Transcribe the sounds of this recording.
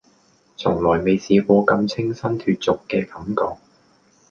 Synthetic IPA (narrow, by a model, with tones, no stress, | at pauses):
t͡sʰʊ˨˩ŋlɔː˨˩jme˨jsiː˨˧kɔː˧kɐ˧mt͡sʰɪ˥ŋsɐ˥nt̪ʰyː˧t̚t͡sʊ˨kːɛː˧kɐ˨˧˦mkɔː˧k̚